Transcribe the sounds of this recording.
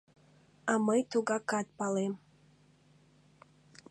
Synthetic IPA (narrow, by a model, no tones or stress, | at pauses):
ɑməjt̪uɣɑkɑt̪̚pɑlem